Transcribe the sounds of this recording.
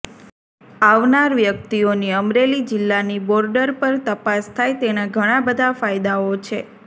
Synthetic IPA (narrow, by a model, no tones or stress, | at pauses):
aʋnaɾʋjək̚t̪ioniəmɾelid͡ʒɪlːanibɔɾɖəɾpəɾt̪əpast̪ʰajt̪eñaɡʱəɽ̃ãbəd̪ʱafajd̪aot͡ʃʰe